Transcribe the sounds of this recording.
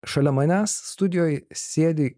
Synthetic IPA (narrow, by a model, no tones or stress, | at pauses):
ʃɐlʲɛmɐnʲæːsːt̪ʊd̪ʲɪjoːjsʲeːd̪ʲɪ